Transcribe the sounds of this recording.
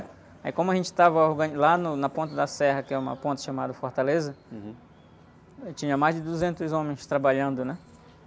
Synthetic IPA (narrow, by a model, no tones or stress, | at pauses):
aikõmʊɐʒẽnt͡ʃɪ̥t̪avɐoɾɡɐ̃nlanʊnɐpõnt̪ɐd̪ɐsɛɦɐkɪɛũmɐ̰põnt̪ɐ̥ʃamad̪ɐfoɾt̪alezɐ̃ | t͡ʃĩɲɐmajzd͡ʒɪd̪uzẽnt̪ʊzõmẽj̃st̪ɾabaʎɐ̃nd̪ʊnɛ